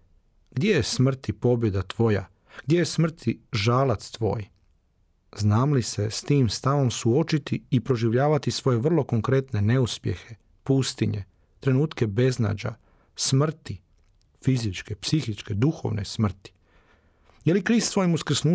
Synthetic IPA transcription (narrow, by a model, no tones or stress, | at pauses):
ɡd̪jejesmr̩t̪ipo̞bje̞d̪at̪ʋo̞ja̰ | ɡ̥d̪jejesmr̩t̪ʰiʒaːlat̪st̪ʋo̞ːj | znaːmlise̞st̪iːmst̪aʋo̞msuo̞t͡ʃit̪iːpɾo̞ʒiʋʎaːʋat̪isʋo̞je̞ʋr̩lˠo̞ko̞ŋkɾe̞t̪ne̞ne̞uspje̞̰xe̞ | pust̪iɲḛ | t̪ɾe̞nuːt̪ke̞be̞zna̰ːd͡ʑa̰ | smr̩t̪i | fizit͡ʃkepsixit͡ʃke̞d̪uxo̞̰ʋnḛsmr̩t̪i̥ | jelikɾiːst̪sʋo̞jimuskr̩snuː